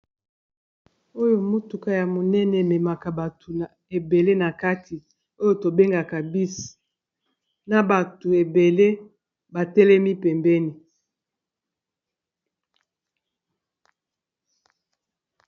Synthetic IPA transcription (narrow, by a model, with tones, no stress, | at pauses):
o˦jo˨mo˦tu˨ka˦ja˨mo˨nɛ˦nɛ˨me˨ma˨ka˨ba˨tʰu˨n˨ | e˨be˨le˦na˨ka˦tʰi˨ | o˦jo˨to˨be˦ŋɡa˨ka˨bi˦sḁ˨ | na˨ba˨tu˨e˨be˨le˦ | ba˨tɛ˦lɛ˦mi˦pɛ˨mbɛ˦ni˨